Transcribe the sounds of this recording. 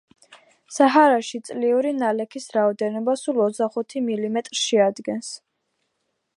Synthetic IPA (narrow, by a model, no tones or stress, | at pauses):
saɦaɾaʃit̪sʼliuɾinalɛkʰisɾaɔd̪ɛnɔbasulˠɔt̪szd̪aχut̪ʰimilimɛt̪ʼɾsʃɛad̪ɡɛns